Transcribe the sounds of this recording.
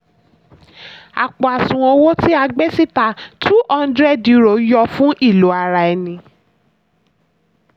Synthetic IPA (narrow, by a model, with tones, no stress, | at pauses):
a̰˨k͡pɔ˨a˨sũ˨õ˧wo˦ti˦a˧ɡ͡be˦si˦ta˧˨tu˦ɔ̃˧ndɾɛ˦dji˦ɾo˨˦jɔ˧fũ˦ʔi˦˨lo˨˦a˧ɾa˧ɛ˧nĩ˧